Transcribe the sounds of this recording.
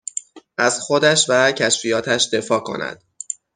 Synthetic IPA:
ʔæz̥xo̞d̪æʃvæcʰæʃfijɒːt̪ʰæʃd̪e̞fɒːkʰo̞̰næ̰d̪̥

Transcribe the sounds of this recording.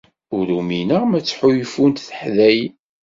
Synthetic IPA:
ʊɾuminəʁmæt͡sːħujfunt̪θə̥ħðæj

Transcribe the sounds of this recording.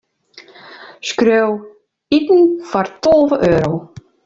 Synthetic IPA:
skɾøw | it̪n̩faɾt̪ɔlˠvəʔœːɾow

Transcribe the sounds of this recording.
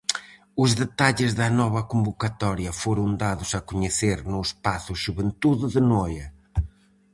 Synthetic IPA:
ʊzðet̪aʎɪzðɐnɔβɐkõmbukɐt̪ɔɾjɐfoɾɐ̃w̪̃d̪aðʊsɐkuɲɪseɾnʊɪspasʊʒuβẽnt̪uððɨnojɐ

